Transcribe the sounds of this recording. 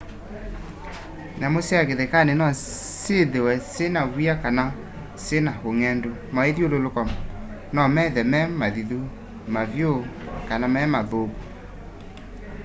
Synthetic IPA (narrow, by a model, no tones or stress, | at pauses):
namosjaɣeðekanenɔ | seðewɛsenawiakana | senahoŋɛndomaeðjololokɔ | nɔmɛðɛmɛmaðiðu | mavjokanamɛmaðobo